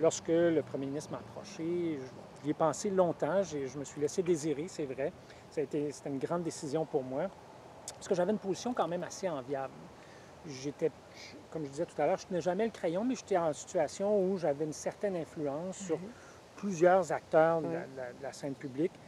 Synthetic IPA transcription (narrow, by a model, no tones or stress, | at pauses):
lɔʁskələpχəmjeminɪst̪χmapχɔ̰ʃḛ̃ʒiɛpɑ̃selɔ̃t̪ɑ̃ʒeʒəməsɥilɛsed̪eziʁesɛvʁɛ | saːet̪ese̥t̪ɛynɡʁɑ̃d̪ːesizjɔ̃puʁmwa | paʁskəʒavɛynpozisjɔ̃kɑ̃mɛ̃maseɑ̃vjabl | ʒet̪ɛ | ʒ | kɔmʒəd̪izɛt̪u̥t̪alœːʁʒə̥t̪ənɛʒamɛləkχejɔ̃mɛʒet̪ɛɑ̃si̥t̪yasjɔ̃uʒavɛynsɛʁt̪ɛnɛ̃flyɑ̃sːyʁ | plyzjœːʁzak̚t̪œːʁd̪əla̰d̪əlad̪əlasɛ̃npyblik